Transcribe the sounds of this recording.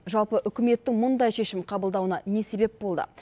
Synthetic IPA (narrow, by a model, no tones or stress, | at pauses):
ʒɑlˠpəʔʏkʲɪme̞t̪ːɪŋmʊnd̪ɑjʃe̞ʃɪmqʰɑbəlˠd̪ɑwənɑne̞se̞be̞p̚bo̞lˠd̪ə̰